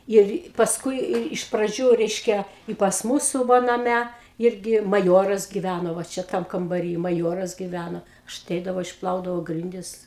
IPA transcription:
ˈɪr pɐsˈkʊɪ ɪr ɪʃ prɐˈd͡ʒʲuː ˈrʲɛɪʃʲkʲɛ ɪ pɐs ˈmuːsʊ ˈʋɐ nɐˈmʲɛ ˈɪrʲɡʲɪ mɐˈjoːrɐs ɡʲɪˈʋʲænoː ʋɐ ˈt͡ʃʲɛ ˈtɐm kɐmbɐˈrʲiː mɐˈjoːrɐs ɡʲɪˈʋʲænoː ɐʃ ɐˈtʲɛɪdɐʋɐʊ ɪʃˈplˠɐʊdɐʋɐʊ ˈɡrʲɪnʲdʲɪs

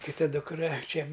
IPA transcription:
kʲɪˈtɐ dʊkˈrɐ ˈt͡ʃʲɛ

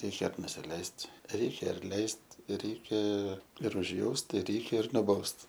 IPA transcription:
ˈrʲɛɪkʲɛ nʊsʲɪˈlʲɛɪsʲtʲ ˈrʲɛɪkʲɛ ɐrʲˈlʲɛɪsʲtʲ ˈrʲɛɪkʲɛ ɪr ʊʒʲˈjɛʊst ɪ ˈrʲɛɪkʲɛ ɪr nʊˈbɐʊst

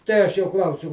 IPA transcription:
ˈtʲɛɪ ɐʃ joː ˈklˠɐʊsʲʊ

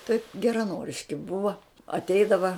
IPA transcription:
tɐɪp ɡʲɛrɐˈnoːrʲɪʃʲkʲɪ ˈbʊʋɐ ɐtʲˈɛɪdɐʋɐ

